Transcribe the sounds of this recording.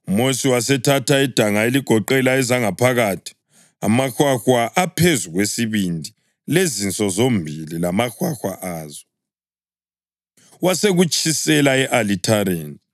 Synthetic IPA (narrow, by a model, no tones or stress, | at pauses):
mosiwasɛtʰatʰaid̥ʱaŋaeliɡ̥ʱɔǃɛlaɛzaŋapʰaɣatʰi̥ | a̰maxwaxwaʔapʰezuɣwesiβindʱi | lezint͡sʼɔzombʱililamaxwaxwaʔaːzɔ | waseɣut͡ʃʼʰisɛlaɛʔalitʰaɾeːn